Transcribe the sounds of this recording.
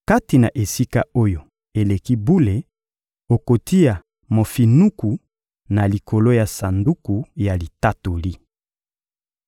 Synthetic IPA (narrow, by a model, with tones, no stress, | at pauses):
ka˦ti˨na˨ʔe˨si˦ka˦o˦jo˨ | e˨le˨ki˦bu˦le˨ | o˨ko˨tʰi˦ja˨ | mo˨fi˨nu˦ku˨ | na˨li˨ko˨lo˦ja˨sa˨ndu˦ku˨ja˨li˨ta˦to˨li˦